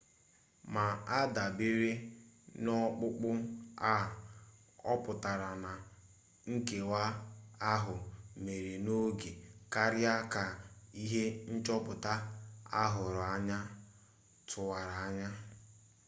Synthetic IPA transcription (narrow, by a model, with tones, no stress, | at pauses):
ma˨a˦da˨be˦ɾe˦nɔ˦k͡pʊ˦k͡pʊ˦a˦˨ | ɔ˦pʊ˨ta˨ɾa˨na˨ | ŋ̩˦ke˨wa˦a˦ɦʊ˨me˨ɾe˨no˦ɡe˨ka˦ɾja˦ka˨i˦ɦe˦n̩˦t͡ʃɔ˦pʊ˨ta˦a̰˦ɦʊ˨ɾa˦ɲa˦ | tʰʊ˨wa˨ɾa˨a˦ɲa˦